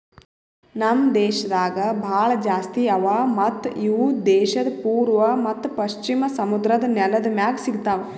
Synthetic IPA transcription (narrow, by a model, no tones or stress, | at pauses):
nɐmd̪ɛːʃɐd̪aːɡɐbʱaːɭɐd͡ʒaːst̪iɐʋamɐt̪ːiʋud̪ɛːʃɐd̪puːɾʋɐmɐt̪ːpɐʃt͡ʃimɐsɐmud̪ɾɐd̪ɐnɛlɐd̪mjaːɡsiɡt̪aːʋe